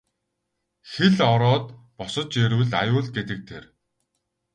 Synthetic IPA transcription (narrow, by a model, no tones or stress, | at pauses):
xeɮɔɾɔːt̪pɔsɞ̆t͡ɕeɾɘ̆wɮa̰jʊːɮɡet̪ɘ̆k̚t̪ʰeːr